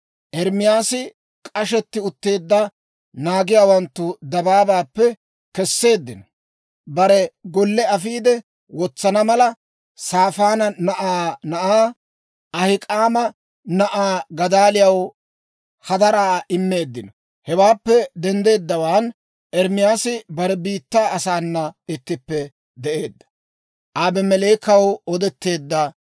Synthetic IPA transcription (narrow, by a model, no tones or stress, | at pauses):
ʔɛɾmɪjaːsɪ | kʼɐʃɛt̪ːɪʊt̪ːe̞ːd̪ːɐ | naːɡɪjaːwɐnt̪ːʊd̪ɐbaːbaːpːɛ | kɛsːe̞ːd̪ːɪnɔ | bɐɾɛɡɔlːɛɐfiːd̪ɛ | wɔt͡sːɐnɐmɐlɐ | saːfaːnɐnɐʔaːnɐʔaː | ɐhɪkʼaːmɐ | nɐʔaːɡɐd̪aːlɪjɐw | hɐd̪ɐɾaːɪmːe̞ːd̪ːɪnɔ | hɛwaːpːɛd̪ɛnd̪e̞ːd̪ːɐwaːn | ʔɛɾmɪjaːsɪbɐɾɛbiːt̪ːaːɐsaːnːɐɪt̪ːɪpːɛ | d̪ɛʔe̞ːd̪ːɐ̥ | ʔaːbɛmɛleːkɐwɔd̪ɛt̪ːe̞ːd̪ːɐ